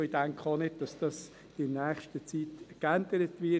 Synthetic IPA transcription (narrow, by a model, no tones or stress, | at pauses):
id̥æŋkʰonɪd̚d̥ɑsd̥ɑs | d̥ɪnæːχʃtət͡sitkænd̥̪əɾətʋɪ